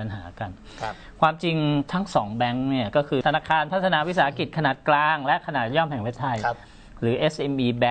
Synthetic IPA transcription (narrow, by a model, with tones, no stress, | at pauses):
a˧nɦa̰ː˩˦ka˧nʰ | kʰwaː˧mt͡ɕi˧ŋt̪ʰa˦˥ŋsɔː˩˦ŋbɛ˦˥ŋni˥˩ɐkɔː˥˩kʰɯː˧t̪ʰnaː˧˩kʰaː˧npʰa˦˥t̪ʰːa˧naː˧wi˦˥saː˩˦a˦˥ki˨˩t̪̚kʰa˧naː˨˩t̪̚klaː˧ŋlɛ˦˥ʔkʰa˧naː˨˩t̪̚jɔː˥˩mɦɛ˨˩ŋwʰe˦˥t̪ʰa˧˩j | ɾɯː˩˦ʔe˦˥sʔe˧mʔiː˧bɛ˦˥